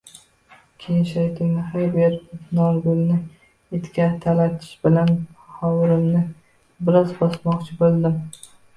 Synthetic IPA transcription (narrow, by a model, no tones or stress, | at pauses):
kʲʰejʃajt̪ʰɪŋnɪhajbeɾnɒɾɡʊlnɪ | et̪kʲat̪ʰalat̪ʰɪ̥ʃbɪlanhɒwɪɾɪmnɪ | bɪlɒzbɒsmɒqt͡ʃʰɪbolˠd̪ɪm